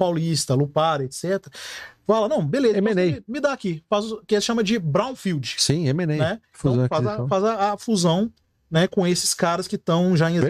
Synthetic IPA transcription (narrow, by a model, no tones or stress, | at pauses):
pawlist̪ɐlupaɾet̪sɛt̪eɾɐfalɐnɐ̃w̃belezemɔenejmɪd̪aːkifaskʃɐ̃mɐd͡ʒɪbɾãw̃fiwd͡ʒɪsĩemẽnejnɛ | fuzɐ̃w̃faɐ̃fazɐːfuzɐ̃w̃ | nɛkõesɪ̥skaɾɐskɪt̪ɐ̃w̃ʒaẽz